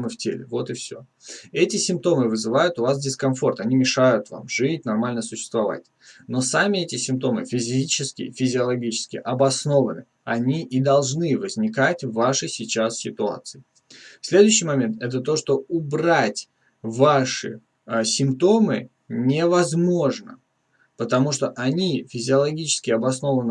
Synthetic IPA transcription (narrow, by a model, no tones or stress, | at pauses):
mɨftʲḛlʲɪ̰vo̞t̪ɪfsʲo̞̰ | ɛtʲɪsʲɪmp̚t̪o̞mɨvɨzɨvajʊt̪ʊvasdʲɪskɐnfo̞rt̪ɐnʲimʲɪʂajʊt̪va̰mʐɨtʲnɐrmalʲnəsʊɕːɪ̥st̪vɐva̰tʲ | no̞samʲɪɛtʲɪsʲɪmpt̪o̞mɨfʲɪzʲit͡ɕɪskʲɪ̰fʲɪzʲɪɐlˠɐɡʲit͡ɕɪ̥skʲɪ̰ʔɐbɐsno̞vənɨ̰ | ɐnʲiʔid̪ɐlˠʐnɨvəzʲnʲɪkatʲvaʂɨsʲɪt͡ɕassʲɪt̪ʊa̰t̪sɨɪ | fsʲlʲe̞d̪ʊjʏɕːijmɐmʲe̞nt̪ɛt̪ət̪o̞ʂt̪o̞ʊbratʲ | vaʂɨ̰ | sʲɪmpt̪o̞mɨ̰ | nʲɪvɐzmo̞ʐnə̰ | pət̪ɐmuʂt̪o̞ʔɐnʲifʲɪzʲɪɐlˠɐɡʲit͡ɕɪ̥skʲɪɐbɐsno̞vənɨ